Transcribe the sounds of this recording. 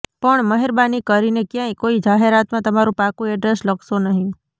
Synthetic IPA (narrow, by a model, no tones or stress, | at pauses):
pəɳməɦeɾbanikəɾinekjãĩkoid͡ʒaɦeɾat̪mãt̪əmaɾũpakũɛɖɾesləksonəɦĩ